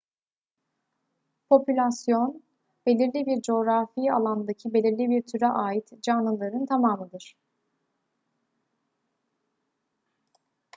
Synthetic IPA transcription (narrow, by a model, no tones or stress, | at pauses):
pʰo̞pʰylʲasjo̞n | be̞lʲiɾlʲibiɾd͡ʒo̞ɾafia̰lˠand̪acʰibe̞lʲiɾlʲibiɾt̪ʰyɾɛʔaːjit̪d͡ʒanˠɯlˠaɾɯnt̪ʰamaːmɯd̪ɯɾ̥